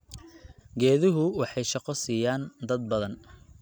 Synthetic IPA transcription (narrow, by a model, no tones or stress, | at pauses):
ɡɛːðɪɦʊwɑħɑjʃɑqɔsiːjaːnd̪ɐd̪̚bɐðɐn